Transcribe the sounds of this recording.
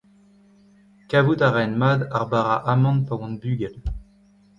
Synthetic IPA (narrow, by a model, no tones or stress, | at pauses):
kavut̪aʁɛnmaːd̪aʁbaʁaʔamɑ̃npawɑ̃nbyɡɛl